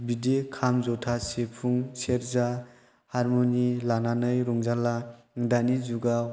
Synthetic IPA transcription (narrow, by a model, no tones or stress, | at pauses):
bidekʰamzɔtʰasepʰuŋseɾza | haɾmonilananɯjɾuŋzala | ŋdanizuɡa